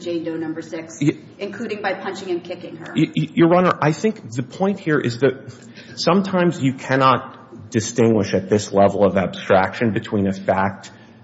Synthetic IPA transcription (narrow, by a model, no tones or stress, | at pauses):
d͡ʒẽɪ̃ndoʊnʌ̃mbə˞sɪks | ʔɨ̃nkʰl̥ʉɾɪ̃ŋbaɪpʰʌ̃nt͡ʃɪ̃ŋɨ̃nkʰɪkɪ̃ŋə̰˞jə˞ɹʌnə˞ʔaɪθɪ̃ŋkðɨpʰɔ̃ɪ̃nt̚hiɹʔɪzðɨt̚ | sʌ̃mtʰãɪ̃mzjɨkʰænɑt̚ | d̥ɨstɪ̃ŋɡwɨʃɨt̪̚ðɪslɛvl̩ˠʌvæb̥stɹ̥ækʃɨ̃nbɨtʰw̥ĩnɨfæk̚t̚